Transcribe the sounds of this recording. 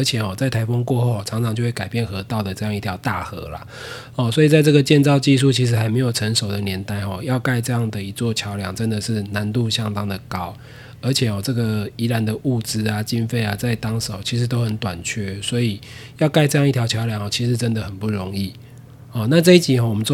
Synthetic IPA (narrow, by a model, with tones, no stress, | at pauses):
ə˧˥t͡ɕʰjɛ˨˩xɔ˨˩t͡sa˥˩ɪt̪ʰa˧˥ɪfo˥ŋkwɔ˥˧xo˥˩ɔ˨˩t͡sʰɑ˧˥ŋt͡sʰɑ˧ŋt͡ɕjo˥˧we˥˩ka˨˩ɪpjɛ˥˩nxɤ˧˥˦t̪ɑ˥˩ʊd̪ə˩ʈ͡ʂɤ˥˧jɑ˥˧ŋi˥˩jɑ˧˥ʊt̪a˥˨xɤ̰˧˦la̰˨ | hɔ˥˨swɔ˧˥i˨˩t͡sa˥˧ɪt͡sɤ˥˩ɡə˨t͡ɕjɛ˥˧nt͡sɑ˥˧ʊt͡ɕi˥˧ʂ̬u˥˩t͡ɕʰi˧˥ʂ̬ɻ̩˧˥xa˧˥ɪme˧˥ɪjo˨˩ʊə˧˥ŋʂo˨˩ʊd̪ə˩njɛ˧˥nt̪a˥˧ɪxɔ˨jɑ˥˧ʊka˥˧ɪʈ͡ʂɤ˥˧jɑ˥˩ŋd̪ə˩i˧˥t͡swɔ˥˨˩t͡ɕʰjɑ˧˥ʊljɑ̰˨˩ŋt͡sə˦nd̪ə˨ʂɻ̩˥˩na˧˦nt̪u˥˧ɕjɑ˦˥ŋt̪ɑ˥ŋd̪ə˨kɑ˦ʊ | ə˞˧˥t͡ɕʰjɛ˨˩xɔ˨˩t͡sɤ˥˩ɡə˩i˧˥la˨˦nd̪ə˨ʔu˥˩t͡sɹ̩˦a˨t͡ɕi˦˥nfe˥˩ɪa˨t͡sa˥˩ɪt̪ɑ˥ŋʂo˨˩˦ʊt͡ɕʰi˧˥ʂ̬̩˧˦t̪o˥ʊxə˨˩nt̪wa̰˨˩nt͡ɕʰɥɛ˥˩swɔ˧˥i˨˩jɑ˥˧ʊka˥˧ɪʈ͡ʂɤ˥˧jɑ˥˧ŋi˥˩t̪ʰjɑ˧˥t͡ɕʰjɑ˧˥ʊljɑ˨˩ŋhɔ˨˩t͡ɕʰi˧˥ʂɻ̩˧˥t͡sə˦nd̪ə˨xə˨˩npu˥˩ɻɔ˧˦ŋi˥˩ | hɔ˥˨˩na˥˧t͡sɤ˥˧i˥t͡ɕi˨˦xɔ˨˩wɔ˨˩mə˦